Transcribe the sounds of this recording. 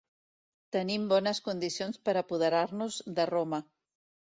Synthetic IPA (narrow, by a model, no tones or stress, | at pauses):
t̪ənimbɔnəskund̪isionspəɾəpuð̞əɾaɾnuzðəromə